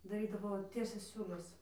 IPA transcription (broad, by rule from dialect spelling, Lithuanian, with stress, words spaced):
dɐˈrʲiːdɐʋoː ˈtʲiɛsʲɛs ˈsʲuːlʲɛs